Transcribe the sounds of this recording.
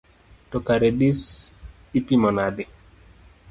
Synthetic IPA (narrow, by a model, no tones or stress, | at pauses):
tɔkaɾedis | ipimɔnadɪ